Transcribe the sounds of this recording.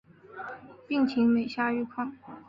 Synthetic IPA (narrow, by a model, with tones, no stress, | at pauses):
pi˥˩ŋt͡ɕʰi˧˥ŋme˨˩ɪɕja˥y˥˧kʰwɑ˥˩ŋ